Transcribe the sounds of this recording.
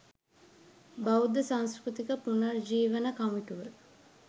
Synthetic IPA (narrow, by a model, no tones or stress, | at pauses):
bɐud̪əsãŋskɾut̪ikəpunɐrd͡ʒiːʋənəkamiʈuʋə